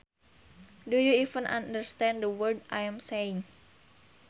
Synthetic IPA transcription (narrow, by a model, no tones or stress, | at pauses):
dujuivə̃nʔã̰ndəɹst̪ɛ̃ndəwərdʔajãmseɪ̃ŋ